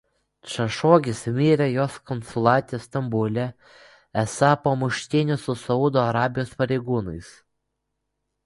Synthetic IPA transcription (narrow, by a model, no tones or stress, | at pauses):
t͡ʃɐʃoːɡʲɪsmʲiːɾʲɛjoːskɔnsʊlˠɑːt̪ʲɪjɛst̪ɐmbʊlʲɛ | ɛsɑpoːmʊʃʲt̪ʲɪnʲʊsʊsɐʊd̪oːɐɾɑːbʲɪjoːspɐɾʲɛɪɡuːnɐɪs